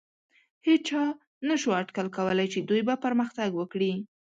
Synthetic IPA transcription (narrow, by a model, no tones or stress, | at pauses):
het͡ʃɑ | naʃuaʈkəlkawəlajt͡ʃed̪ujbapəɾməxt̪aɡwəkɽi